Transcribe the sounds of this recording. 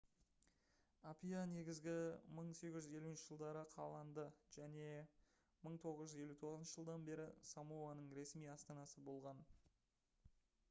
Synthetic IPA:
apijane̞ɡʲɪzɡʲɪməɴse̞kʲɪʒʏze̞luɪnʃɪ̥ʒ̥əlˠd̪ɑɾəqʰɑ̰lˠɑnd̪əʒ̥æne̞ | məɴt̪ʰo̞ʁəzʒʏze̞lut̪ʰo̞ʁzənʃəʒəlˠd̪ɑnbe̞ɾɪsamowanəɴɾe̞smijɑst̪ɑnɑsəbo̞lˠʁɑn

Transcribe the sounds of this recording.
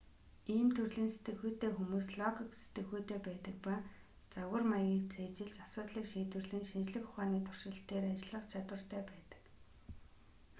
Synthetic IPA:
iːmt̪ʰɵrɮiːnset̪ɡɘ̆xuːt̪eːxumuːsɮɔɣikset̪ɘ̆xuːt̪eːpæːt̪ə̆k̚pa | t͡saɣə̆rmaɣʲiːk̚t͡sʰeːt͡ɕɪ̆ɮt͡ɕasʊːt̪ɮiːkʃiːt̪wɘ̆rɮĭŋʃint͡ɕɮɘ̆xʊ̥χaːniːt̪ʰʊr̥ʃɪ̆ɬt̪eːɾat͡ɕɪɮə̆qt͡ɕʰat̪wə̆r̥t̪ʰæːpæːt̪ə̥̆k

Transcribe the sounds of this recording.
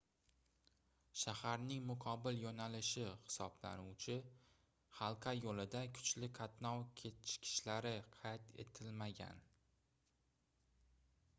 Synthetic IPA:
ʃahaɾnɪŋmʊqʰɒbɪljonalɪʃɪhɪ̥sɒbla̰nuwt͡ʃʰɪ | hɑlˠqʰajolɪd̪akʰʊ̥t͡ʃlɪkʰat̪nɒwkʲʰet̪ɪ̥ʃkʲʰɪ̥ʃlaɾɪqʰɑjt̪e̞̰t̪ʰɪlmaɡʲa̰n

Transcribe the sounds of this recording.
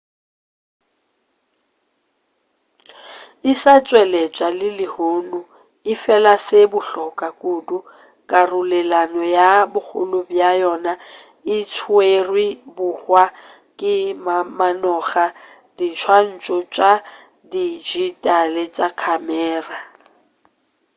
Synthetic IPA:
ɪsat͡sʼwɛlɛt͡ʃʼalɪlɪhoːnu | ɪfɛlasebʊɬɔkʼakʼudu | kʼarʊlɛlanɔjabʊk͡xʊ̰lʊbjajɔna | ɪt͡sʰuerwibʊhwa | kʼɪmamanɔχa | d̥it͡ʃʰwan̩t͡ʃʼɔt͡ʃʼa | did͡ʒitʼalɛt͡ʃʼakʰamɛːra

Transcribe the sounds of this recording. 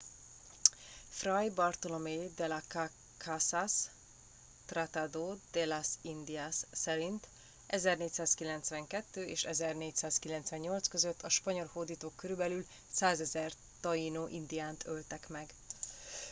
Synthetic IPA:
frɒjbɒrt̪olomed̪ɛlaka | kʰasas | t̪rat̪ad̪oːd̪̥ɛlasind̪iasːɛɾint̪ | ʔɛzɛrneːcsaːskilɛnt̪sʋɛŋkɛt̪ːøːʔeːʃɛzɛrneːcsaːskilɛnt̪sʋɛɲɲo̞lt̪skøzøt̪ʰːɒʃpɒɲo̞lhoːd̪iːt̪oːkːøɾybɛlyl | saːzɛzɛr | t̪ɒinoːʔind̪ijaːnt̪ʰølt̪ɛkmɛɡ

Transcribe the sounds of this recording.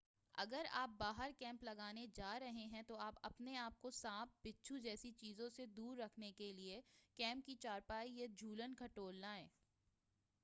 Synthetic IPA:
ɐ̰ɡəɾa̰ːp̚baːɦəɾkɛ̃ːmplɐɡaːned͡ʒaːɾɐɦeɦɛ̃t̪oaːpɐpneaːp̚kosãːfbɪtːʃʰud͡ʒɛːsit͡ʃiːzõsed̪uːɾːɐkʰnekeliekɛ̃ːmp̚kit͡ʃaːɾpaːijed͡ʒʱuːlənkɐʈoːlnaːẽː

